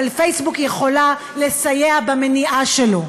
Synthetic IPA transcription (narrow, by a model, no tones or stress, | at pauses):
alfejsbukjeχo̞la | le̞sajeabameniʔaʃelo̞